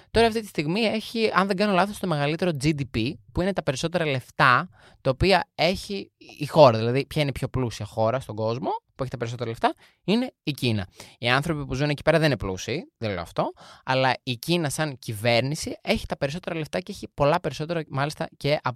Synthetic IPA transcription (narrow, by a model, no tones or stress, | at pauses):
t̪o̞ɾɐːft̪it̪i̥st̪iɣmie̞çiɐnðeɡɐnolɐθo̞st̪o̞me̞ɣɐlit̪e̞ɾo̞d͡zid̪ipipuine̞t̪ɐpe̞ɾiso̞t̪e̞ɾɐle̞ft̪ɐ | t̪ɐopiɐe̞çiːxo̞ɾɐðilɐðipçɐinepço̞plusiɐxo̞ɾɐst̪o̞ɡo̞zmo̞pue̞çit̪ɐpeɾis̬oɾɐleft̪ɐ | ine̞icinɐ̰iɐnθɾo̞pipuzuneci̥pe̞ɾɐðenineplṵsiːðelḛɐ̰ft̪o̞ɐlɐicinɐsɐŋcive̞ɾnisie̞çi̥t̪ɐpe̞ɾiso̞t̪e̞ɾɐleft̪ɐceeçipo̞lɐpe̞ɾiso̞t̪e̞ɾɐmɐlist̪ɐce̞ʔɐp